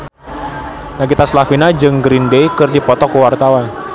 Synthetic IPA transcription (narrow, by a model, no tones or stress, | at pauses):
naɡit̪aslafinad͡ʒɨŋɡɾindejkɨrdipɔt̪ɔkəwart̪awan